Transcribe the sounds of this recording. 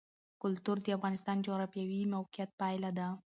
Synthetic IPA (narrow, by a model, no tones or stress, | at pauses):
kʊlt̪uɾd̪əafɣɑnɪst̪ɑnd͡ʒoɣɾafjawimawqijat̪̚pajlad̪a